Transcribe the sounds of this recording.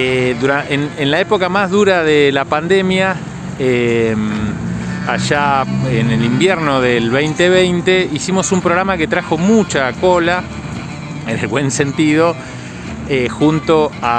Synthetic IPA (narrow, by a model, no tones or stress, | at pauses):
eðuɾaenenlaepo̞kamazðuɾaðelapand̪emja | em | aʒaenelimbjeɾno̞ðelβejnt̪eβ̞ejnt̪eisimo̞sumpɾoɣɾamake̞t̪ɾaxo̞mut͡ʃako̞la | enelβwe̞nse̞nt̪iðo̞ | exunt̪o̞a